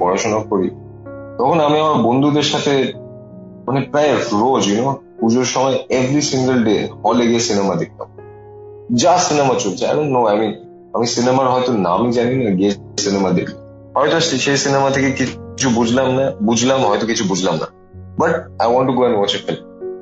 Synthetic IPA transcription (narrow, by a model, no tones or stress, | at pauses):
pɔɾaʃonakoɾi | t̪ɔkʰonamiamaɾbond̪ʱud̪eɾʃat̪ʰe | manepɾajefɾod͡ʑinopud͡ʑoɾʃɔmɔeevɾisĩŋɡəlɖḛhɔleɡiesinemad̪ek̚ʰla̰m | d͡ʑasinemat͡ɕolt͡ɕʰea̰ɾõnnoajmin | amisinemaɾɦɔjt̪onamid͡ʑaninaɡie | sinemad̪ḛkʰla | ɦɔet̪oʃʃejsinemat̪ʰekekit͡ɕʰubud͡ʑʱlamnabud͡ʑʱlamɦɔjt̪okit͡ɕʰubud͡ʑʱlamna̰ | baʈ̚ajwɔ̃ɳʈːuɡoɛ̃nwɔt͡ɕefilm